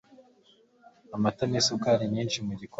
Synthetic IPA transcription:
amatamesukaɾiɲɲiːnʃimwiɾikw

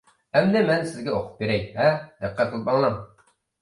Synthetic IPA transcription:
ɛmd̪ɪmɛnsɪzɡʲɛoqʰʊ̥p̚beɾɛjvɛd̪ɨqʰːæt̪̚qʰəlˠɨp̚bɑŋlˠɑm

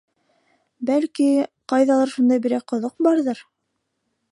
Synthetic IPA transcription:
bælkiqɑjðɑlˠɑɾʃund̪ɑjbiɾæqŏðoq̚bɑɾðɤɾ

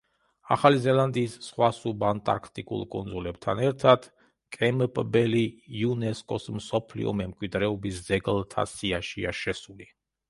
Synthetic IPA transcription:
a̰χalizɛlˠand̪iːsːχwasubant̪ʼa̰ɾkʰt̪ʼikʼṵlˠkʼṵnd̪zulɛb̚t̪ʰa̰nɛɾt̪ʰad̪̥ | kʼɛmpʼbɛliːunɛskʼɔsmsɔpʰlḭɔ̰mɛmkʼwid̪ɾɛɔbisd̪z̥ɛɡlˠt̪ʰa̰siaʃiaʃɛsuli

